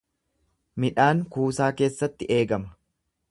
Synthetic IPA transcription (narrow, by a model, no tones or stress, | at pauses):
mɪᶑaːŋkuːsaːke̞ːsːɐt̪ːɪʔe̞ːɡɐmɐ̥